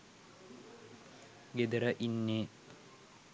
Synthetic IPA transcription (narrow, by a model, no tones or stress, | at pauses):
ɡed̪əɾəʔinːeː